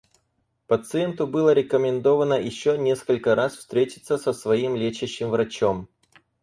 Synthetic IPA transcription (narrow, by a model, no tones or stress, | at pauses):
pət̪sɨent̪ʊbɨlˠəɾʲɪkəmʲɪnd̪o̞vənəjɪɕːonʲe̞skəlʲkəɾasfst̪ɾʲetʲɪ̥t̪səsəsvɐimlʲet͡ɕɪɕːɪmvɾɐt͡ɕom